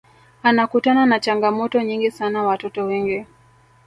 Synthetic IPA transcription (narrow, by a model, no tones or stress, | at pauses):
anakutananat͡ʃaŋɡamɔtɔɲiŋɡisanawatɔtɔwɛŋɡi